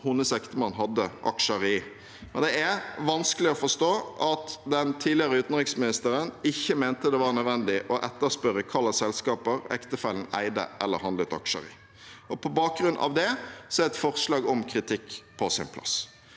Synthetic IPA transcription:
hʊnːəsɛkt̪əmɑnːɦɑd̪ːəʔɑ̰kʂəɾiː | mɛnd̪ɛæɾʋɑnskəlɪɔfɔʂt̪oːʔɑt̪d̪ɛnt̪ʰiːdlɪəʁəʉːt̪n̩ʁɪksmɪnɪst̪əɾənɪçːəmænt̪əd̪ɛʋɑːɾnœd̪ʋɛnd̪ɪʔɔʔɛt̪ːəʁspœɾəkʰɑlːəsɛlskɑːpəɾɛ̰kt̪əfɛln̩æ̰ɪd̪ə̰ʔɛ̰lːəɾhɑnd̪ət̪ɑ̰kʃə̰ɾḭː | ʔɔpʰɔbɑːk̚ɡɾʉnʔɑ̰ʋd̪ɛsɔɛɾɛt̪fɔʁslɑːɡɔmkʰɾɪt̪ʰɪkːpʰɔsɪ̰npʰlɑ̰s

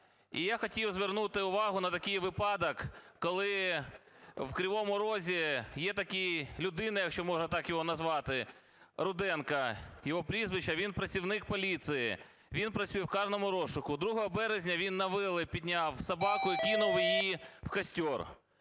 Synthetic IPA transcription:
ḭjaxɔtʲiwzʋernut̪ɪʊʋɑɦʊnɐt̪ɐkɪjʋɪpɑd̪ɐkːɔlˠɪ | wkɾʲɪʋɔmʊɾɔzʲijɛt̪ɐkʲijlʲʊd̪ɪnɐjɐkʃt͡ʃɔmɔʒɐt̪ɑkjɔɦɔnɐzʋɑt̪ɪ | ɾʊd̪ɛnkɐjɔɦɔpɾʲizʋɪt͡ʃɐʋʲinpɾɐt͡sʲiwnɪk̚pɔlʲit̪sɨjɪ̰ | ʋʲinpɾɐt͡sʲsʲujɛwkɑrnɔmʊɾɔʃʊkʊd̪ɾuɦɔɦɔbɛɾezʲnʲɐʋʲinːɐʋɪlˠɪpʲid̪ʲnʲɑwsɐbɑkʊjikʲinʊwjijiwkɐsʲtʲɔr

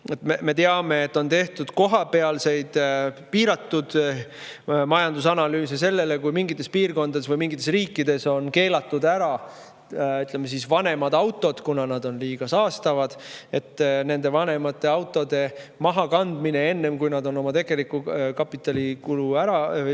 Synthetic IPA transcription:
et̪meme̞t̪e̞ɑme̞ːt̪ːˑo̞nt̪e̞ht̪ud̪̥ko̞ɦɑpe̞ɑlse̞jd̪̥piːɾɑt̪ːud̪̥ | mɑjɑnd̪usɑnɑlyːsese̞lːe̞le̞kujmiŋɡit̪ːˑe̞spiːrko̞nd̪ɑd̪esvɯjmiŋɡit̪ːˑesriːkːid̪e̞so̞nke̞ːlɑt̪ːˑud̪æɾɑ | yt̪ˑlemːesisvɑne̞mɑd̪ɑwt̪ːˑo̞d̪̥kunɑnɑd̪o̞nliːɡ̥ɑsɑːst̪ɑvɑd̪̥e̞t̪ːne̞nd̪̥e̞vɑne̞mɑt̪ˑːe̞ɑwt̪ːˑo̞d̪e̞mɑɦɑkɑnd̪mine̞e̞nːe̞mkujnɑd̪o̞no̞mɑt̪e̞ɡ̥e̞likːukɑpːˑit̪ːˑɑlikuluæɾɑ

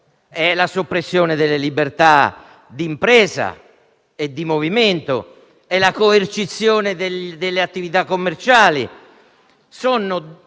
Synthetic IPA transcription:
ɛlasopːɾesːjɔːned̪elːelibert̪a | d̪impɾɛːza̰ | ed̪ːimoviment̪o̰ | elːakoert͡ʃit̪sːjoːned̪ed̪elːeat̪ːivit̪akːomːert͡ʃaːlḭ | sɔnːʊ

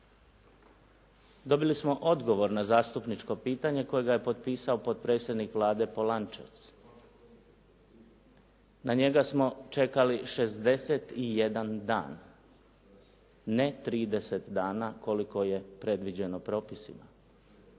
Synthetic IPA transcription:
d̪o̞bilismo̞ʔo̞d̪ɡo̞ʋo̞ɾnazaːst̪upnit͡ʃko̞piːt̪aɲe̞ko̞jeɡaje̞po̞t̪piːsao̞po̞t̪̚pɾeːt̪sʲjed̪nikʋlˠaːd̪e̞po̞lant͡ʃa̰t̪s | naɲe̞ɡasmo̞t͡ʃe̞kaliʃe̞zd̪e̞se̞t̪ije̞d̪and̪a̰ːn | net̪ɾiːd̪ese̞t̪d̪aːnako̞liko̞je̞pɾe̞d̪ʋid͡ʑe̞no̞pɾo̞ːpisḭma̰

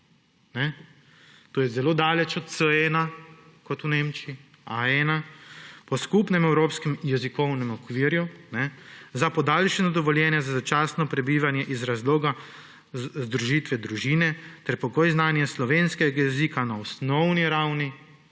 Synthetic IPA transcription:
nɛ | t̪oːjɛzɛloːd̪aːlɛt͡ʃɔt̪səɛːnakɔt̪uneːmt͡ʃii | aɛːnapɔskupnɛmɛwɾoːpskɛmjɛzikɔwnɛmɔkʋiːɾjunɛzapɔd̪aːlʃɛnɔd̪ɔʋɔljɛːnjɛzazat͡ʃaːsnɔpɾɛbiːʋanjɛʔizɾazloːɡa | zd̪ɾuʒiːt̪ʋɛd̪ɾuʒiːnɛt̪ɛɾpɔɡoːjznaːnjɛslɔʋeːnskɛɡajɛziːkanaɔsnɔwniɾawni

